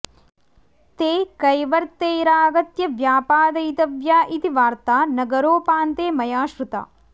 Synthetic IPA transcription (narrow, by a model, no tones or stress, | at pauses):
t̪eːkɐjʋɐɾt̪eːɾaːɡɐt̪jɐʋjaːpaːd̪ɐjt̪ɐʋjaːʔit̪iʋaːɾt̪aːnɐɡɐɾoːpaːnt̪eːmɐjaːʃɾut̪a̰ː